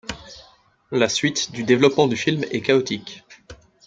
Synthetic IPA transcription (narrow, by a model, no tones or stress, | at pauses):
lasɥit̪d̪yd̪evlɔpmɑ̃d̪yfilmɛkaɔt̪ikʲ